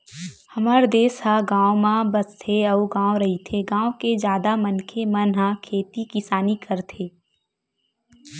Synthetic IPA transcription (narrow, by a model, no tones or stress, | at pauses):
hɐmaːɾd̪eːsɦaɡãːomãbɐst̪ʰeɐuɡãːoɾɐɦit̪ʰeɡãːwoked͡ʒjaːd̪amɐnkʰemɐnɦãkʰeːt̪ikɪsaːnikɐɾt̪ʰeː